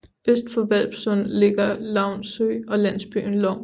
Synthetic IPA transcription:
øsd̥fɒ̽ʋæl̰b̥sɔnle̝ɡ̥ɐlɑ̈ʊ̰nsø̰ɒ̽læn̰sb̥y̰n̩lɒ

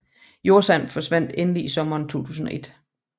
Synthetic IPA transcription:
jo̝ɐsænfɒ̽sʋæn̰d̥enəliisɒ̽mɐːnt͡sʰo̝̰ːt͡sʰṵːs̬n̩ɒ̽ʔe̝d̥

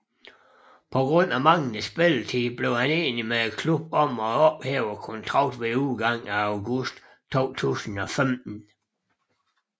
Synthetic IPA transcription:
pʰɒ̽ɡ̥ʁɔ̽n̰æmɑ̈ŋn̩əsb̥elt͡sʰib̥le̝ʊhæneːnimeekʰlub̥̚ɒ̽m̰ɒ̽ɒ̽b̥heːʊɐkʰɔnt͡sʰʁɑ̈ɡd̥ʋeuðˠɡ̥ɑ̈ŋ̰æɑʊɡusd̥ | t͡sʰo̝̰ːt͡sʰṵːsn̩ɒ̽femd̥n̩

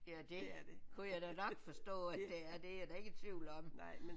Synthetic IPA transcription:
æd̥e̝kʰujɑɪd̥ænɒ̽ɡ̥fɒ̽sd̥ɔ̰̽ːæd̥d̥eæɐd̥e̝æɐd̥æe̝ɡ̥ət͡sʰʋiʊl̩ɒ̽m

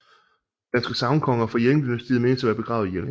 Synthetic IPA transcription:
d̥ænsɡ̥əsɑ̈ʊnkʰɒ̽ŋɐfɒjeld̥ynæsd̥iːð̩ˠmeːnəsæʋæːɐb̥e̝ɡ̥ʁɑ̈ʊð̩ˠjel

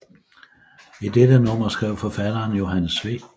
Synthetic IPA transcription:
id̥ed̥ənɔ̽m̰ɐsɡ̥ʁɛʊ̰fɒ̽fæd̥ɐːnjo̝ɦænəsʋe̝̰ː

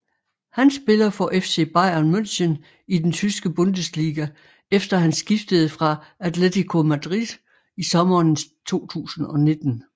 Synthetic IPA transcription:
hænsːb̥e̝lɐfɒ̽ʔefse̝̰ːb̥ɑ̈ɪ̰ɐnmøn̰ɕən | id̥ent͡sʰysɡ̥əb̥ɔ̽nd̥əsd̥liːɡ̥æ | efd̥ɐɦænsɡ̥ifd̥əð̞̩ˠfʁɑ̈æt͡sʰlet͡sʰikʰo̝mæd̥ʁid̥ˠ | isɒ̽mɐːnt͡sʰo̝̰ːt͡sʰṵːsn̩ɒ̽ne̝d̥n̩

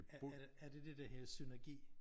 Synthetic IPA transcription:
æɐd̥e̝d̥ed̥æɦeɐsynæɐɡ̥ḭː

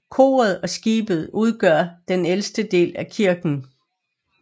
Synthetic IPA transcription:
kʰo̝̰ːɐð̞̩ˠɒ̽sɡ̥ḭːb̥ð̞̩ˠuð̞ˠɡ̥ɶɐ̰d̥enelsd̥əd̥e̝̰ːlækʰiɐɡ̥n̩

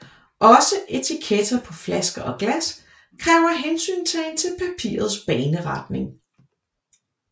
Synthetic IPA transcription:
ʔɒ̽səʔe̝t͡sʰikʰed̥ɐpʰɒ̽flæsɡ̥ɐʔɒ̽ɡ̥læs | kʰʁɛːʊɐɦensy̰ːnt͡sʰe̝ent͡sʰe̝lpʰæpʰḭːɐð̞̩ˠsb̥ɛːnəʁɑ̈d̥ne̝ŋ

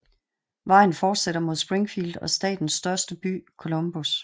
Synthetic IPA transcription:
ʋɑ̈ɪ̰n̩fɒːd̥seɾɐmo̝ð̞ˠsb̥ʁeŋfild̥ɒ̽sd̥ɛ̰ːd̥n̩sːd̥ɶɐsd̥əb̥y̰ːkʰo̝lo̽mb̥us

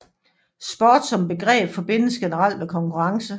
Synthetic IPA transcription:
sb̥ɒːd̥sɒ̽mb̥e̝ɡ̥ʁɛ̰ːb̥fɒ̽b̥e̝n̰əsɡ̥e̝nəʁɑ̈l̰d̥mekʰɒ̽ŋkʰuʁɑ̈ŋsə

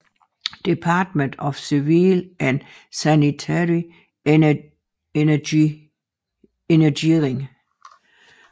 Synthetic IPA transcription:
d̥ipʰɑ̈ːd̥mənd̥ɒfsiʋiːlʔæn | sænit͡sʰæɹi | ni | enɐɡiʁeŋ

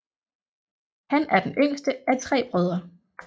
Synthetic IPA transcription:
hænʔæɐd̥enʔøŋ̰sd̥əæt͡sʰʁɛ̰ːb̥ʁœð̞ˠʁɐ

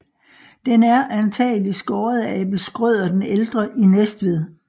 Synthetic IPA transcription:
d̥enæɐʔænt͡sʰɛ̰ːlisɡ̥ɒːɐðˠɛ̰b̥l̩sɡ̥ʁœð̞̰ˠɐd̥eneld̥ʁɐʔinesd̥ʋeð̰ˠ

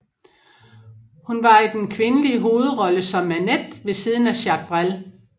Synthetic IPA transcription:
hunʋɑ̈id̥enkʰʋe̝nəliəɦo̝ːð̞̩ˠʁɒ̽ləsɒ̽mːæned̥ʋe̝siːð̞ˠn̩æɕɑɡ̥̚b̥ʁal

